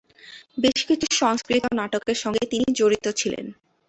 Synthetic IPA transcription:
beʃkit͡ɕʰuʃɔŋskɾit̪onaʈokeɾʃɔŋɡet̪inid͡ʑoɾit̪ot͡ɕʰilḛn

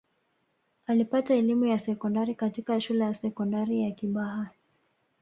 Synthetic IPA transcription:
alipataɛlimujasɛkɔndaɾikatikaʃulɛjasɛkɔndaɾijakiɓaɦa

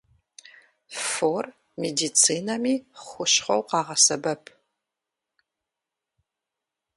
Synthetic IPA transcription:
for | mediːt͡sʰiːnɐmiːχʷʊʃχʷɐwqɑːʁɐsɐbɐpʰ

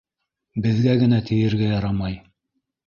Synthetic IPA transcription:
bɘ̆ðɡæɡɘ̆næt̪ʰɘ̆jɘ̆ɾɡæjɑɾɑmɑj

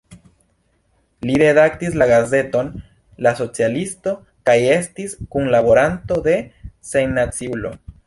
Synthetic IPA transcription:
liɾe̞dak̚tislaɡaze̞to̞n | laso̞t͡sialisto̞ | kaje̞stiskunlabo̞ɾanto̞d̪e̞sejnat͡siulo̞̰

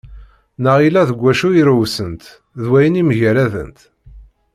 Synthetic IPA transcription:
nəʁilæðəɡʷːæʃuiɾəwsənt̪ | ðwæjəniməʝəɾæðə̰nt̪

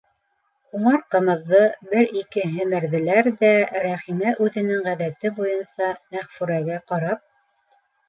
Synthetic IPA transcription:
uɴɑɾqɤ̆mɤ̆ðːɤbɘɾikɘɦɘ̆mɘ̆ɾðɘ̆læɾðæɾæχimæʔʉðɘ̆nɘŋʁæðæt̪ɘbujɤnsɑmæχfʉɾæɡæqɑɾɑp̚

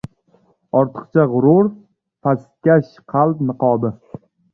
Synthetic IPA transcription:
ɒɾt̪ʰɨ̥qt͡ʃʰaʁʊɾʊɾ | past̪̚kʲaʃ | qʰɑlˠpnɨqʰɒːbɪ

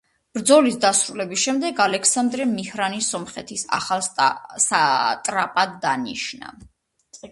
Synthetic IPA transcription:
b̥ɾd̪zɔlisd̪asɾulɛbisʃɛmd̪ɛɡalɛkʰsand̪ɾɛmihɾanisɔmχɛt̪ʰisa̰χalˠsat̪ʼɾapʼad̪ːanḭʃna̰

